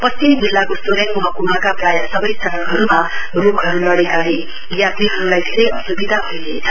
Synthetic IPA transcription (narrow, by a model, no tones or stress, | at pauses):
pʌst͡simd͡zilːakosoɾjaŋmuɦʌkumakapɾajasʌbʌjsʌɾʌkɦʌɾumarukɦʌɾulʌɽekaɦe | jat̪iɦʌɾulajtsejʌsubid̪ʱabʱʌileːt͡sʰʌ